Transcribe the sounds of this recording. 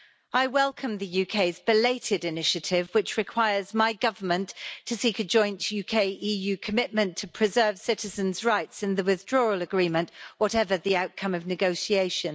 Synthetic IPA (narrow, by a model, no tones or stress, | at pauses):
aɪwɛlˠkʰə̃mðəjʉːkʰeɪzbɪleɪtʰɪdɪnɪʃətʰɪvwɪt͡ʃɹɪkʰw̥aɪəzmaɪɡʌvəmə̃nttʰəsiˑkəd͡ʒɔ̃ɪ̃ntjʉkʰeɪʔiːjʉːkʰəmɪʔ̚mə̃ntʰəpʰɹ̥ɪzɜːv̥sɪtɪzə̃nzɹaɪtsɪ̃nðəwɪðdɹɔːɹələɡɹĩːmə̃nʔwɒtɛvəðiaʊʔ̚kʰʌ̃məvnɪɡoʊsieɪʃə̃n